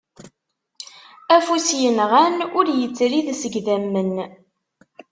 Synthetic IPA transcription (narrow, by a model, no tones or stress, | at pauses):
æfusjənʁænʊɾjət͡sːɾiðsəɡðæmːən